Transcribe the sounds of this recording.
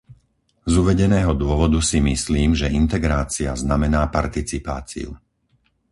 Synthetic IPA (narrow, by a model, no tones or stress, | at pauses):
zuʋɛɟɛnɛːɦɔd̪ʊɔʋɔd̪usimisliːmʒɛʔint̪ɛɡɾaːt͡siaznamɛnaːpaɾt̪it͡sipa̰ːt͡sḭṵ